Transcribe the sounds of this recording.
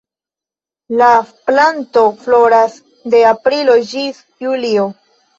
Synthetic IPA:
laplanto̞flo̞ɾas | de̞apɾilo̞d͡ʒis | julio

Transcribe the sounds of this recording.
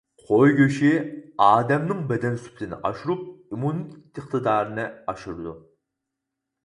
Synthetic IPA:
qʰojɡʲøʃiɑːd̪ɛmnɪŋbɛd̪ɛnsy̥plɪnɪ̰ʔɑ̰ʃuɾup̚umunit̪t̪ɨχt̪ɨd̪ɑːɾɨnɨɑʃuɾɨd̪u

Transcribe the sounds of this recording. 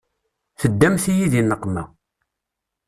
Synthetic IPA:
θəd̪ːæmθijiðinːəqːmæ

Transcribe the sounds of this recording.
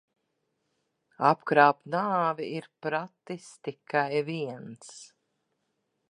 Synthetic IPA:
apkɾaːpnaːviiɾpɾat̪ːist̪ikajviɛns

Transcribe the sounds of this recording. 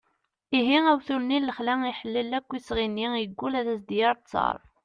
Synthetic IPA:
iɦiæwθulnilːəχlæiħəlːilːækʷːisʁinːijəɡʷːulæðæsd̪jɑɾˤt͡sːɑ̰ɾˤ

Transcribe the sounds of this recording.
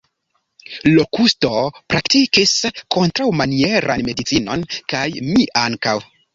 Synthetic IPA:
lo̞kustopɾaktikisko̞ntɾawmanie̞ɾʔa̰nme̞dit͡sino̞̰nkajmiʔaŋkaw

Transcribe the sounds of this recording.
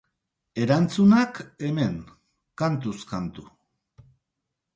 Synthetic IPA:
e̞ɾant͡sunake̞me̞ŋ | kant̪uskant̪u

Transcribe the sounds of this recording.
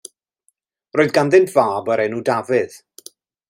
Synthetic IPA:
roːðɡanðɪntʰvaːbəɾɛnuːdavɪð̥

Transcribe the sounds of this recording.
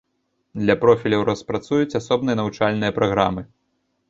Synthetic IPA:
d̪lʲɐpɾɔfʲilʲɐwɾɐspɾat̪sujut͡sʲasɔbnɨjɐnɐvut͡ʂalʲnɨjɐpɾɐɣɾamɨ

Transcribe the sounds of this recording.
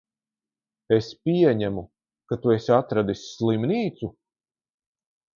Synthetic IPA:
espʲiɛɲæmu | kat̪uesat̪ɾad̪isːlˠimniːt̪su

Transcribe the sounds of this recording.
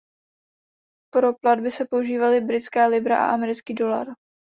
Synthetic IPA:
pɾo̞pladbɪsɛpo̞uʒiːvalɪbɾɪt͡skɛːlɪbɾaʔa̰ʔamɛɾɪt͡skiːdo̞la̰ɾ

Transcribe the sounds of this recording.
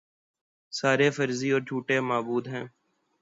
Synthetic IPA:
saːɾeːfəɾziːɔːɾd͡ʒʱuːʈeːmaːbuːd̪ɦɛ̃ː

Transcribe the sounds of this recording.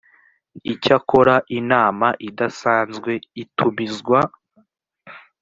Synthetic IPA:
icako̞ɾaʔinaːmaʔidasaːnzɡwe̞itʰumizɡwa

